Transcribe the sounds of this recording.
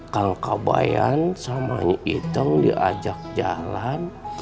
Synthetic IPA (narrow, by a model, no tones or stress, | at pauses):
kalkabajansamaɲʔit̪əŋdiʔad͡ʒak̚d͡ʒalan